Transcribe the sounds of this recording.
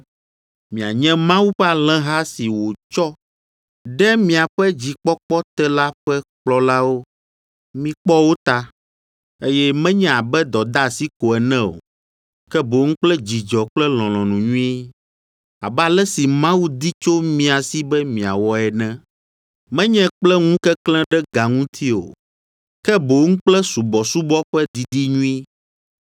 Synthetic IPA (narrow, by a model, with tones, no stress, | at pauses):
mĩ˨a˨ɲɛ̃˦mã˦wu˦ɸɛ˦a˨lɛ̃˦ɦa˦si˨wo˨t͡ʃɔ˦ | ɖɛ˦mĩ˦˨a˨ɸɛ˦d͡ʑi˨k͡pɔ˦k͡pɔ˦t̪ɛ˦la˦ɸɛ˦k͡plɔ˦la˦wo˦ | mĩ˦k͡pɔ˦wo˦t̪a˦ | e˦jɛ˦mɛ̃˦ɲɛ̃˦a˨bɛ˦d̪ɔ˨d̪a˦˨si˦ko˨ɛ˨nɛ̃˦o̰˨ | kɛ˦bo˨˦ŋ̩̃˦k͡plɛ˦d͡ʑi˨d͡ʒɔ˨k͡plɛ˦l̃ɔ̃˨lɔ̃˨nũ˨ɲũ˦i˦ | a̰˨bɛ˦a˨lɛ˦si˨mã˦wu˦d̪i˦t͡ʃo˦mĩ˨a˨si˦bɛ˦mĩ˨a̰˨wɔ˨ɛ˨nɛ̃˦ | mɛ̃˦ɲɛ̃˦k͡plɛ˦ŋũ˦kɛ˦klɛ̃˦ɖɛ˦ɡa˨ŋũ˦t̪ʰi˦o̰˨ | kɛ˦bo˨ŋ̩̃˦k͡plɛ˦su˨bɔ˨su˦bɔ˦ɸɛ˦d̪i˨d̪i˦ɲũ˦i˦